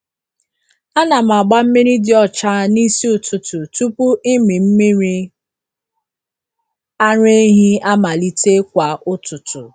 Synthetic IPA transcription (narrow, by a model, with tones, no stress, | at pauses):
a˦na˨m˨a˨ɡ͡ba˦m̩˦mi˦ɾi˦dɪ˨ɔ˦t͡ʃa˦ni˦si˦ʊ˨tʊ˨tʊ˨tu˦pu˦ʔi˦mi˨m̩˦mi˦ɾi˦ | a˦ɾe˦ɦi˦a˦ma˨li˦te˦kʷa˨ʔʊ˦tʊ˨tʊ̰˨